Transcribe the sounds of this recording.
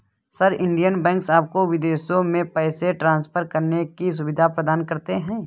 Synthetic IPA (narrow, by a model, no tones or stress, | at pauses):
sɐɾɪ̃ɳɖijənbɛ̃ːŋksaːp̚koʋɪd̪eːʃjõmẽpɛːseʈɾãːnspʰəɾkəɾnekis̬ʊʋɪd̪ʱapɾəd̪aːnkɐɾt̪eɦɛ̃ː